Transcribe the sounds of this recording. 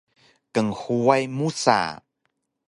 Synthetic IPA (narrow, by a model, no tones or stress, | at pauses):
kəŋhuajmusa̰